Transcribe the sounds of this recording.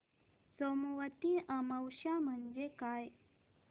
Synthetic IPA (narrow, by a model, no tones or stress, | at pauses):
somuʋət̪iʔəməwʃam̤ənd͡ʒekaj